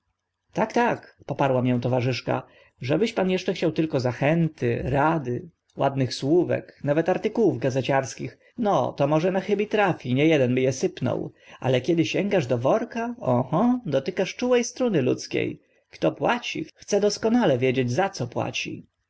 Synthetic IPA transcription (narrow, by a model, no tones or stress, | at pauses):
t̪akt̪akpɔpaɾwamjɛw̃t̪ɔvaʐɘʂka̰ | ʐɛbɘɕpanjɛʂt͡ʂɛxt͡ɕawt̪ɘlkɔzaxɛnt̪ɘɾad̪ɘ | wa̰d̪nɘxswuvɛ̰knavɛt̪aɾt̪ɘkuwuvɡazɛt͡ɕaɾskʲix | nɔ̰t̪ɔmɔʐɛnaxɘbʲit̪ɾafʲiɲɛjɛd̪ɛnbɘjɛsɘpnɔ̰wʔa̰lɛkʲɛd̪ɘɕɛŋɡaʐd̪ɔvɔɾkaɔ̃hɔd̪ɔt̪ɘkaʂt͡ʂuwɛjst̪ɾɔnɘlṵt̪skʲḛj | kt̪ɔpwat͡ɕḭxt̪sɛd̪ɔskɔnalɛvʲjɛd͡ʑed͡ʑzat̪sɔpwa̰t͡ɕḭ